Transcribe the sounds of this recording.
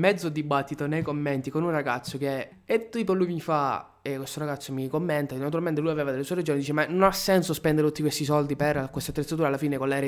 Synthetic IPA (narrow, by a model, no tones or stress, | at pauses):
mɛd̪zod̪ibat̪ːit̪onejkomːent̪ikonunraɡat̪sːok̟e | et̪ːiːpolujmifa | ekːwest̪oɾaɡat̪sːomikomːent̪anat̪uɾalment̪elujaveːvad̪elːesueɾed͡ʒoːnid̪iːt͡ʃemanonasːɛnsospɛnd̪eɾet̪ut̪ːikwest̪isɔld̪iperkwest̪at̪ːɾet̪sat̪uːɾalːafiːnekolːɛːɾe